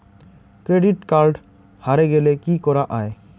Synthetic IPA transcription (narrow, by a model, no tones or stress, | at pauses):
kɾeɖiʈkaɾɖ | haɾeɡelekikɔɾaʔae